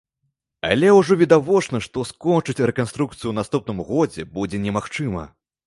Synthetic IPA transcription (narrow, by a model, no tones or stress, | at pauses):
a̰lʲɛwʐɔvʲid̪avɔt͡ʂnɐʂt̪ɔskɔnt͡ʂɨt͡sʲrɛkanst̪ɾuk̚t̪sɨjuwnast̪up̚nɨmɣɔd͡zʲɛbud͡zʲɛnʲɛmaxt͡ʂɨmɐ̰